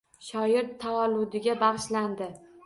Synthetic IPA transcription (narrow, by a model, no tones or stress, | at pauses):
ʃɒjɪɾt̪ʰːawɒlːʊd̪ɪɡʲabɑʁʃland̪ɪ